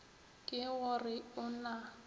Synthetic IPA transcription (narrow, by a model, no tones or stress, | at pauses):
kʼɪɣʊrɪʊna